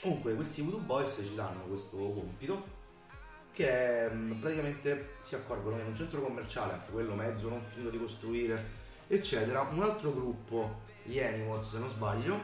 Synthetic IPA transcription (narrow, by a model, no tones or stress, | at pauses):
komuŋkwekwest̪ivut̪ubːɔjst͡ʃid̪anːokwest̪okompit̪o | kepɾat̪ikament̪esiakːɔrɡonomenunt͡ʃɛnt̪ɾokomːert͡ʃaːlea̰ŋk̟ekwelːomɛd̪zːonoɱfit̪od̪ikost̪ɾuiːɾe | et͡ʃːɛːt̪eɾaʔunalt̪ɾoɡɾupːo | iɛniwɔlsenozbaʎːo